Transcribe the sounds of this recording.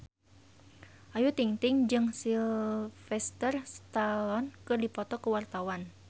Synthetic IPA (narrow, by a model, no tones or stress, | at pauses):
ʔajut̪iŋt̪ɪŋd͡ʒɨŋsilfɛst̪ərst̪aɔnkɨrdipɔt̪ɔkəwart̪awan